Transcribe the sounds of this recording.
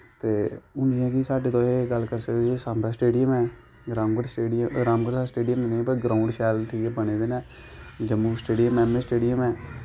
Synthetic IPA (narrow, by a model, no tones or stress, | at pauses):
t̪eːʊnijãkisaːɖeːt̪õːeːɡəlːkəɾsəkesaːmbɛːsʈeːɖijəmɛ̃ː | ɡɾaːmɡəsʈeːɖɾaːmɡəʈsasʈeːɖijəmnĩpəɾɡɾaːʊɳɖʃɛːlʈʰiːkɛbəneːd̪eːnɛː | d͡ʒəmːuːsʈeːɖijəmɛːmẽsʈeːɖijəmɛː